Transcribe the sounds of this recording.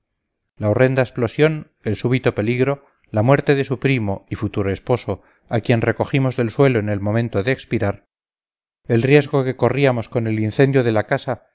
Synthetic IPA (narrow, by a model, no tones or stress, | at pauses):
laore̞nd̪aesplo̞sjo̞n | e̞lsuβ̞it̪o̞pe̞liɣɾo̞ | lamwe̞ɾt̪e̞ðe̞supɾimo̞ifut̪uɾoe̞spo̞so̞ | akje̞nre̞ko̞ximo̞zðe̞lswe̞loene̞lmõ̞mẽnt̪o̞ðeːkspiɾaɾ | e̞lrje̞zɣ̞o̞ke̞ko̞riamo̞sko̞ne̞linθe̞nd̪jo̞ðe̞lakasa